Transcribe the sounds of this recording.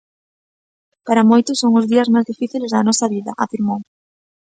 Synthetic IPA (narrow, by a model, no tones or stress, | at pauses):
paɾɐmojt̪ʊsoŋʊzðiɐzmajzðifiθilezðɐnɔsɐβiðɐʔafiɾmow